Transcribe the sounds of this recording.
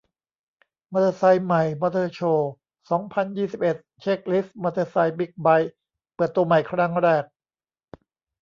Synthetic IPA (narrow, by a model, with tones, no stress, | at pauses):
mɔː˧t̪əː˧sa˧jma˨˩jmɔ˧t̪ʰɤː˧t͡ɕʰoː˧ | sɔː˩˦ŋpʰa˧njiː˥˩si˨˩p̚ʔe˨˩t̪̚t͡ɕʰe˦˥˩k̚li˦˥smɔ˧t̪ʰɤː˧sa˧jbi˦˥˩k̚ba˦˥j | pɤː˨˩t̪ːu˧ɐma˨˩jkʰɾa˧˩ŋɾɛː˥˩k̚